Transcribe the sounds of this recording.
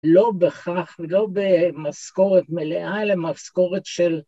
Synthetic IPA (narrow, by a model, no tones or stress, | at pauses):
lo̞beχaχvelo̞bemasko̞ʁet̪meleʔalemasko̞ʁet̪ʃel